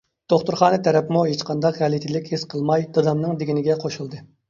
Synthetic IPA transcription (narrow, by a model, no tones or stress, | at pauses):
d̪̥oχt̪uɾχɑːnɨt̪ʰɛɾɛpmuɦet͡ʃqʰɑnd̪ɑqʁɛlit̪ʰɪlɪkʲhesqʰəlˠmɑjd̪̥ɑd̪ɑmnɨŋd̪eɡʲinɪɡʲɛqʰoʃulˠd̪ɨ